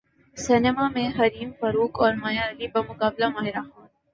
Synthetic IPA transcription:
sɪnemamẽɦɐɾiːmfɐɾuːkɔːɾmɐjalibɐmʊkaːblamaːɦɪɾaxaːn

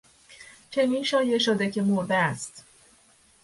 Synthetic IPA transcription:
t͡ʃʰe̞niːnʃɒːje̞ʃod̪ecʰe̞moɾd̪æst̪

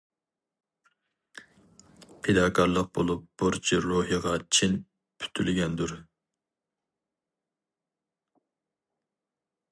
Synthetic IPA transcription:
pʰed̪ɑːkʰɑɾlˠəq̚bolˠup̚b̥uɾt͡ʃʰiɾoɦjəʁɑt͡ʃʰin | pʰy̥t̪ʰylɡʲɛnd̪uɾ

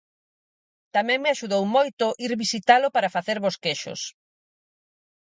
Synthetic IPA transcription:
t̪amɛ̃ŋmɪaʃuðowmojt̪ʊʔiɾβisit̪alʊpaɾafaθeɾβoskeʃʊ̰s

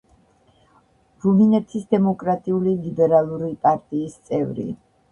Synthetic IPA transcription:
ɾuminɛt̪ʰisd̪ɛmɔkʼɾat̪ʼiulilibɛɾalˠuɾipʼaɾt̪ʼiːst̪sʼɛvɾḭ

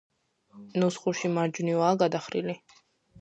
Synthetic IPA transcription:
nusχuɾʃimaɾd͡ʒnivaːɡad̪aχɾḭli

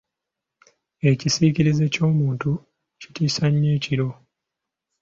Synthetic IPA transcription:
e̞cisiːciɾize̞co̞ːmuːntu | citiːsaɲːe̞ːciɾo̞

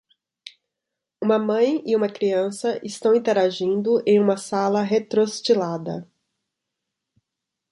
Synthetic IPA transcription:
ũmɐmɐ̃j̃ɪũmɐkɾiɐ̃sɐʔɪst̪ɐ̃w̃ĩt̪eɾaʒĩnd̪ʊʔẽj̃ũmɐsalɐɦet̪ɾost͡ʃilad̪ɐ

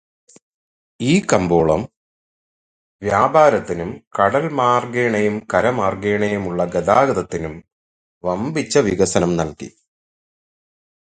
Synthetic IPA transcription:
iːkɐmbo̞ːɭɐm | ʋjaːbʱaːɾɐt̪ːinumkɐɽɐlmaːrɡeːɳɐjumkɐɾɐmaːrɡeːɳɐjumuɭːɐɡɐd̪aːɡɐd̪ɐt̪ːinum | ʋɐmbit͡ɕːɐʋiɣɐsɐnɐmnɐlkḭ

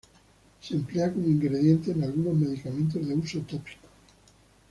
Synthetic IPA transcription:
sempleakoŋiŋɡɾe̞ðje̞nt̪eːnalɣuno̞zme̞ðikament̪o̞zðe̞usot̪opi̥ko̥

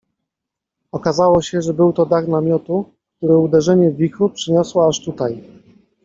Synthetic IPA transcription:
ɔkazawɔɕɛʐɛbɘwt̪ɔd̪aɣnamʲjɔt̪u | k̚t̪uɾɘud̪ɛʐɛɲɛvʲixupʂɘɲɔswɔaʂt̪ut̪aj

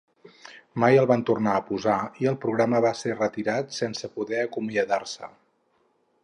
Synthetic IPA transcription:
majəlˠβant̪urnaəpuzaiəlˠpɾuɣ̞ɾaməβaserət̪iɾat̪sɛnsəpuðɛəkumiəðarsə̰

